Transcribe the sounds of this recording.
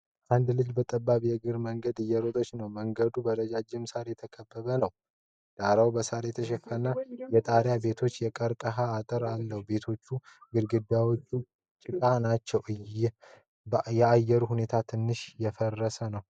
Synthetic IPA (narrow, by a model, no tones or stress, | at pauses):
ʔand̪lɨd͡ʒbət̪ʼəbːaβjɛɡɨɾməŋɡəd̪ɨjːɛɾot̪ʼot͡ʃːnəwməŋɡəd̪ubəɾəd͡ʒad͡ʒːɪmsaɾjɛt̪ʰəkʰəbːəβənəw | d̪̥aɾawbəsaɾjɛt̪ʰəʃ̬ɛfənajɛt̪ʼaɾjabe̞t̪ʰo̞t͡ʃːjɛkʼəɾkʼəɦaːt̪ʼɨɾalːəhube̞t̪ʰo̞t͡ʃːuɡɨɾɡɨd̪ːawo̞t͡ʃːu | t͡ʃʼɪkʼanat͡ʃːɛwɨj | jɛajːɛɾuhune̞t̪ʰat̪ʰɨnːɨʃjɛfərːəsənəw